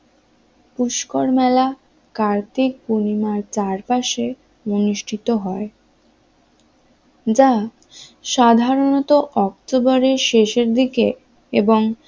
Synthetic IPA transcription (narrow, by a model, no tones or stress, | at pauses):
puʃkoɾmɛla | kaɾt̪ik̚kunimaɾt͡ɕaɾpaʃe | bonuʃʈʰit̪oɦɔe | d͡ʑa | ʃad̪ʱaɾonɔt̪oʔɔk̚t̪obɔɾeʃeʃeɾd̪ike | eboŋ